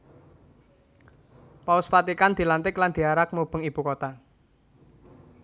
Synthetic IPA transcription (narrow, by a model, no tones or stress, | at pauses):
paʊsfat̪ikand̪̥i̤lant̪ɪkland̪̥i̤aɾak̚mub̥ə̤ŋib̥ukot̪a